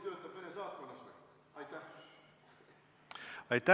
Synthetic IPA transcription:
t̪ø̞ːt̪ːˑɑb̥menesɑːt̪̚konːɑse | ɑjt̪ːæh | ɑjt̪ːˑæ

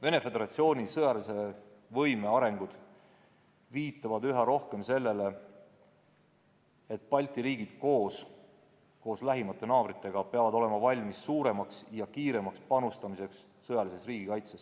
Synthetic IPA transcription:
ve̞ne̞fe̞d̪eɾɑt̪sio̞ːnʲisɤjɑlise̞vɤjme̞ɑɾe̞ŋɡ̥ud̪̥ | viːt̪ːˑɑvɑd̪yɦɑɾo̞hke̞mse̞lːe̞le̞ | et̪̚pɑlʲt̪ˑiɾiːɡid̪̥ko̞ːs | ko̞ːslæɦimɑt̪ːˑe̞nɑːvɾit̪ːˑe̞ɡ̥ɑpeɑvɑd̪o̞le̞mɑvɑlʲmisːuːɾe̞mɑksjɑkiːɾe̞mɑkspɑnust̪ɑmise̞ksːɤjɑlisesriːɡ̥ikɑjt̪ses

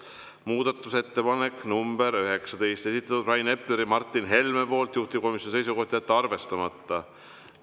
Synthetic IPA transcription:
muːd̪̥ɑt̪ːˑuse̞t̪ːe̞pɑne̞kːˑnumb̥e̞ɾøɦe̞ksɑd̪̥e̞jst̪e̞sit̪ːˑɑt̪ːud̪rɑjne̞ple̞ɾimɑrt̪ːˑinɦe̞lmepo̞ːlt̪juht̪ipko̞misjonisejsuko̞ht̪ijæt̪ːɑrve̞st̪ɑmɑt̪ːɑ

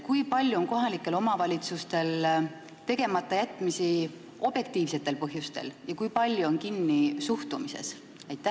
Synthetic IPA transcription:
kujpɑlʲjuonko̞ɦɑlikːˑe̞lo̞mɑvɑlʲit̪sust̪e̞l | t̪e̞ɡ̥e̞mɑt̪ːˑɑjæt̪ːˑmisi | o̞b̥je̞kt̪iːvse̞t̪ːˑe̞lpɤɦjust̪e̞̰ljɑkujpɑlʲjuo̞nkinːisuht̪umise̞̰s | ɑjt̪ːˑæ

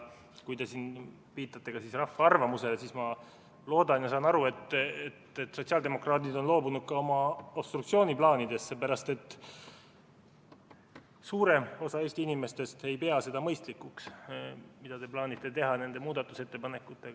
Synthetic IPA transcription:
kujt̪e̞siːn | piːt̪ːˑɑt̪ːe̞ɡ̥ɑsisrɑfːɑɑrvɑmuse̞lesiːsmɑ | lo̞ːd̪̥ɑnjɑsɑːnɑɾue̞t̪ːet̪et̪so̞t̪siɑld̪e̞mo̞krɑːd̪id̪o̞nlo̞ːbunud̪̥̚kɑo̞mɑopst̪rukt̪sio̞ːniplɑːnid̪̥e̞sːepæɾɑst̪e̞t̪ːˑ | suːɾe̞o̞sɑe̞ːsʲt̪iinime̞st̪e̞st̪e̞jpe̞ɑse̞d̪ɑmɤjst̪likːuks | mid̪̥ɑd̪e̞plɑːnʲit̪ːˑe̞t̪e̞ɦɑne̞nd̪emuːd̪ɑt̪ːˑuse̞t̪ːe̞pɑne̞kːˑut̪ːˑe̞ɡ

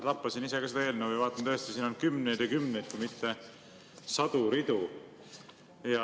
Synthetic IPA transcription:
t̪ɑpːɑsinise̞kɑsed̪ɑe̞ːlnewjvɑːt̪ːˑɑnt̪øest̪isiːno̞nkymnejd̪jɑkymnejd̪̥̚kujmit̪ːe̞ | sɑd̪̥uɾid̪̥u | jɑ

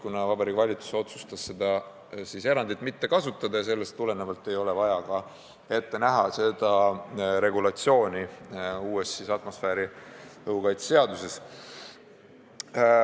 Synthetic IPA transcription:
kunɑvɑbɑɾiːkvɑlʲit̪su̥so̞t̪su̥st̪ɑsːe̞d̪ɑ | sise̞ɾɑnd̪it̪ːˑmit̪ːe̞kɑsut̪ːˑɑd̪̥ɑjɑs̬e̞lːe̞st̪ːule̞nevɑlt̪ːˑe̞jo̞le̞vɑjɑkɑ | e̞t̪ːe̞næɦɑse̞d̪̥ɑɾe̞ɡ̥ulɑt̪sio̞ːnʲiuːe̞sisɑt̪ːˑmo̞sfeːɾiɤukɑjt̪sese̞ɑd̪use̞s

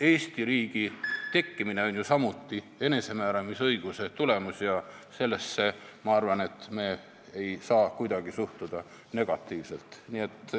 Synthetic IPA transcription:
e̞ːst̪iɾiːɡ̥it̪e̞kːimine̞o̞nʲjusɑmut̪ːi | e̞ne̞se̞mæːɾɑmisɤjɡ̥use̞t̪ule̞musjɑse̞lːe̞sːe̞mɑɑrvɑne̞t̪ːˑme̞ː | ejsɑːkujd̪̥ɑɡ̥isuht̪ud̪̥ɑ | ne̞ɡ̥ɑt̪ːˑiːvse̞lt̪ˑnie̞t̪ːˑ

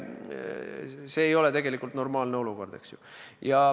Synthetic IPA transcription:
se̞ːjo̞lɛt̪e̞ɡ̥e̞likːˑult̪no̞rmɑːlneo̞luko̞rd̪̥e̞̰ksjujɑ

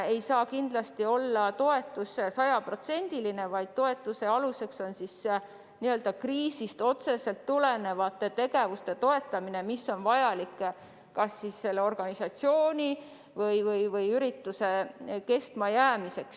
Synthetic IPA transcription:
ejsɑːkind̪lɑst̪io̞lːɑt̪o̞e̞t̪ːˑusesɑjɑpro̞t̪se̞nʲd̪̥iline̞vɑjd̪̥̚t̪o̞e̞t̪ːˑuse̞ɑluse̞kso̞nsis | niø̞ld̪̥ɑkriːsist̪o̞t̪se̞se̞lt̪ːule̞ne̞vɑt̪ːˑet̪e̞ɡe̞vust̪e̞t̪o̞e̞t̪ːˑɑmine̞misːo̞nvɑjɑlikːˑ | kɑsːisːe̞lːeo̞rɡ̥ɑnisɑt̪sio̞ːnʲi | vɤjvɤjvɤjyɾit̪ːuse̞ke̞st̪mɑjæːmise̞ks

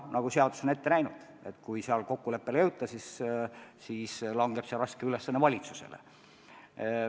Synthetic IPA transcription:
nɑɡ̥use̞ɑd̪̥u̥so̞ne̞t̪ːenæjnud̪̥ | e̞t̪ːkujseɑlko̞kːule̞pːe̞ljɤwt̪ːˑɑsis | siːslɑŋɡ̥e̞b̥seɑlrɑskeylesːɑnːevɑlʲit̪suse̞̰lḛ

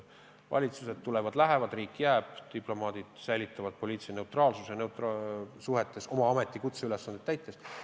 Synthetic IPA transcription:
vɑ̰lʲit̪suse̞d̪̥t̪ulevɑd̪̥læɦe̞vɑd̪riːkːˑjæːb̥t̪iplo̞mɑːd̪̥id̪̥sæjlʲit̪ːˑɑvɑd̪̥po̞lʲiːt̪sene̞ut̪rɑːlsusjɑnewt̪ɑsuɦe̞t̪ːˑe̞so̞mɑɑme̞t̪ːˑikut̪seylesːɑnd̪et̪ːæjt̪ːˑe̞s

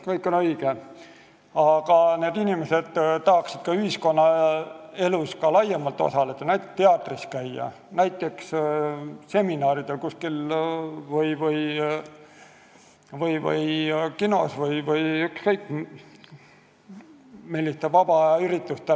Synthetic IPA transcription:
kɤjkːˑo̞nɤjɡ̥e | ɑɡ̥ɑne̞ːd̪inʲimese̞d̪̥t̪ɑɦɑksid̪̥̚kɑyhisko̞nːɑ | e̞luskɑlɑjɑmɑlt̪ːˑo̰sɑle̞d̪̥ɑnæjt̪ːˑekt̪ːeɑt̪ːˑriskæjːɑ̰ | næjt̪ːˑe̞ks | se̞minɑːɾid̪̥e̞lkuskil | vɯjvɤj | vɤjvɤ̰jkino̞svɤjvɤjykskɤjkːˑ | milːist̪evɑb̥ɑɑyɾit̪ːˑust̪e

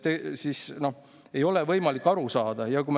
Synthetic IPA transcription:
t̪ːesisno̞ | e̞jo̞levɤjmɑlikːɑɾusɑːd̪̥ɑjɑkum

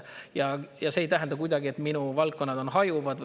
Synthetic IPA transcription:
jɑjɑse̞ːjt̪æɦɛnd̪ɑkujd̪̥ɑɡie̞t̪ːˑminuvɑlt̪̚kːo̞nːɑd̪̥o̞nɦɑjuvɑd̪

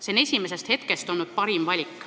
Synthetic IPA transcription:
senesʲimes̬est̪he̞t̪ke̞st̪o̞lnud̪̥̚pɑɾimvɑlʲikːˑ

